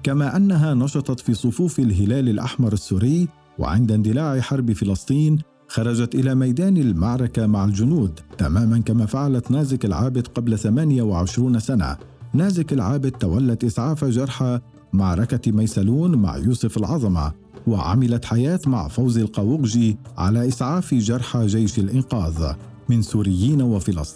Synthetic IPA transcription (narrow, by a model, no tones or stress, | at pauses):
kamaːʔanːaɦaːnɑʃɑt̪ˤɑt̪fiːsˤʊfuːfalɦɪlaːlɪlʔa̰ħmɑɾˤasːuːɾɪj | wa̰ʕɪ̰nd̪and̪ɪlaːʕɪħɑɾˤbfɪlɑsˤt̪ˤiːn | xɑɾˤɑd͡ʒat̪ʔɪlaːmajd̪aːnalmaʕɾˤɑkamaʕald͡ʒʊnuːd̪t̪a̰maːmankamaːfaʕalat̪naːzɪkalʕaːbɪd̪qɑblaθamaːnɪjawaʕɪʃɾuːnsana̰ | naːzɪkalʕaːbɪd̪̚t̪ːawalːat̪ʔɪsʕaːfad͡ʒɑɾˤħa | maʕɾˤɑkamajsaluːnma̰ʕjuːsʊfalʕɑðˤɑma̰ | wa̰ʕa̰mɪlat̪ħajaːt̪ma̰ʕfawzalqɑwʊɣʒiʕa̰laːʔɪsʕaːfʒɑɾˤħaʒajʃalʔɪnqɑːðˤ | mɪnsuːɾɪjːiːnawafɪlɑ̰sˤt̪iːnː